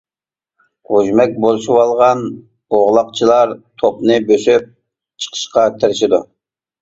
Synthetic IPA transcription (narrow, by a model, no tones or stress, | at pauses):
ʁuʒmɛk̚ʲbolˠɨʃuwɑlˠʁɑn | oʁlˠɑqt͡ʃʰilˠɑɾt̪ʰopnɨbøsyp̚ | t͡ʃʰə̥qʰə̥ʃqɑt̪ʰɪɾɪʃɪd̪u